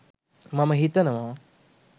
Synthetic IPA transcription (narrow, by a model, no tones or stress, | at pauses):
mɐmɐɦit̪ɐnɐmɐ